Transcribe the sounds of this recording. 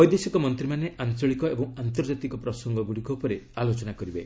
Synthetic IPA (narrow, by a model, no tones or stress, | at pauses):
ɔjd̪esikɔmɔnt̪ɾimaneʔʔant͡ʃɔɭikɔebɔ̃ŋant̪ɔɾd͡ʒat̪ikɔpɾɔsɔŋɡɔɡuɽikɔupɔɾealot͡ʃɔnakɔɾibe